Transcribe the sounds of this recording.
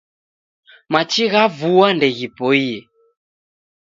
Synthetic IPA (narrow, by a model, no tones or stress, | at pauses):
mat͡ʃiɣavuwandɛɣipɔiɛ